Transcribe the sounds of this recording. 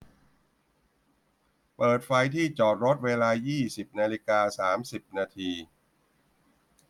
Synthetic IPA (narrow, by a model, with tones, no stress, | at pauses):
pɤː˨˩t̪̚fa˧jt̪ʰiː˥˩t͡ɕɔː˨˩t̪̚ɾo˦˥t̪̚weː˧laː˧jiː˥˩si˨˩p̚naː˧li˦˥kaː˧saː˩˦msi˨˩p̚naː˧t̪ʰiː˧